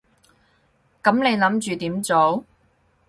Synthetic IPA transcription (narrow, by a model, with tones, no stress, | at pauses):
kɐ˨˥mne˨˧jlɐ˨˥mt͡ʃyː˨t̪iː˨˥mt͡so˨˥w